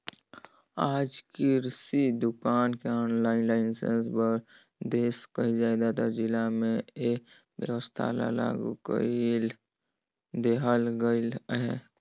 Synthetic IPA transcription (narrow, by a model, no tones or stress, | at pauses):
aːd͡ʒkiɾsid̪ʊkaːnkeɔːnlaːɪnlaːɪnsḛnsbəɾ | d̪eːskəɦid͡ʒaːd̪at̪ad͡ʒɪlamẽebjə̰wəst̪ʰa̰la̰la̰ːɡṵkl | d̪eɦəlɡəlɦɛ